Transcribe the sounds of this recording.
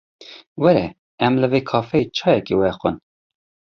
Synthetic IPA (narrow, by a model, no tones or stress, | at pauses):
wɛɾɛ̰ | ɛmləveːkʰɑːfeːt͡ʃʰɑːjɛkeːwɛxʷə̰n